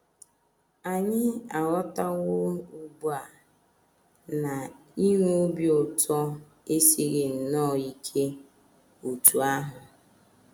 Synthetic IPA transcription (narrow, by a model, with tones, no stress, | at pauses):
a˨ɲɪ˦a˨ɣɔ˦ta˦wʊ˦u˦bu˦a˨ | na˨ | i˦ɦu˦o˦bjo˨tɔ˦ | e˦si˦ɣɪ˨n̩˨nɔ˦˨i˦kʰe˦ | o˨tu˨a˦ɦʊ˨